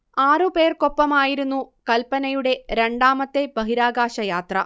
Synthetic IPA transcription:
aːrɨpe̞ːrko̞pːɐmaːjiɾunːukɐlpɐnɐjuɽe̞ɾeɳɖaːmɐt̪ːe̞bɐɦiɾaːɡaːʂɐjaːt̪rɐ̰

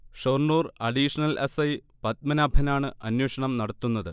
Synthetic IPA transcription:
ʂorɳuːrɐɖiːʂɐnɐlʔesɐjpɐt̪̚mɐnaːbʱɐnaːɳɨɐnweːʂɐɳɐmnɐɽɐt̪ːunːɐðɨ

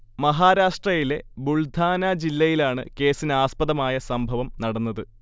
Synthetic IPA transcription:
mɐɦaːɾaːʂʈrɐjile̞buɭd̪ʱaːnɐd͡ʑilːɐjilaːɳɨ̰ke̞ːsineaːspɐðɐmaːjɐsɐmbʱɐʋɐmnɐɽɐnːɐðɨ

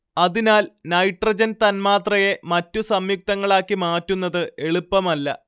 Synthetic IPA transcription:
ɐðinaːlnɐjʈrɐd͡ʑɐnt̪ɐnmaːt̪rɐje̞mɐtːusɐmjuk̚t̪ɐŋːɐɭaːkːimaːtːunːɐðɨe̞ɭupːɐmɐlːɐ̰

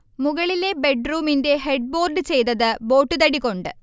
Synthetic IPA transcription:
muɣɐɭile̞be̞ɖruːminde̞ɦe̞ɖ̚bo̞ːrɖɨt͡ɕe̞jt̪ɐðɨbo̞ːʈːɨt̪ɐɽikʲːo̞ɳɖɨ

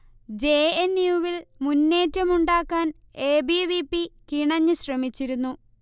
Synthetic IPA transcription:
d͡ʑeːenːjuːʋilmunːe̞ːtːɐmuɳɖaːkːaːn | e̞ːbiʋipːikiɳɐɲːɨɕrɐmit͡ɕːiɾunːu

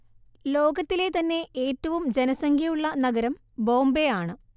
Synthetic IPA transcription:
lo̞ːɡɐt̪ːile̞t̪ɐnːe̞ʔeːtːɐʋumd͡ʑenɐsɐŋɡʱjɐjuɭːɐnɐɡɐɾɐm | bo̞ːmbejaːɳɨ

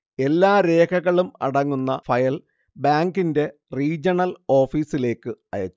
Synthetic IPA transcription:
e̞lːaːɾe̞ːkʰɐɣɐɭumɐ̰ɽɐŋːunːɐfɐjɐl | baːŋɡinde̞ | riːd͡ʑɐɳɐlo̞ːfiːsile̞ːkːɨɐ̰jɐt͡ɕː

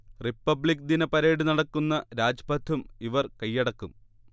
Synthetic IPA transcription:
ripːɐbɭik̚d̪inɐpɐɾeːɽunɐɽɐkːunːɐɾaːd͡ʑɐpɐt̪ʰːumiʋɐrkɐjːɐɽɐkːum

